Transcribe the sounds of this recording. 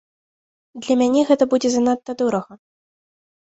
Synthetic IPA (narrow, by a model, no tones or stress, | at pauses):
d̪lʲɐmʲanʲɛɣɛt̪ɐbud͡zʲɛzɐnat̪ːɐd̪uɾɐɣɐ